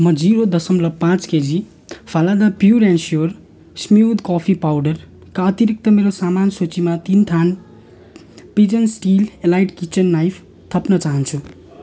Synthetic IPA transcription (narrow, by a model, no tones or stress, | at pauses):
mʌd͡ziɾod̪ʌsʌmlʌpãt͡sked͡zi | pʰalad̪apjuɾẽnsjor | smjud̪kɔpʰipawɖʌr | kaʌt̪iɾik̚t̪ʌmeɾosamansot͡simat̪int̪ʰan | pid͡zʌnsʈilelajʈkit͡sʌnːajpʰ | t̪ʰʌpnʌt͡saɦʌnt͡sʰu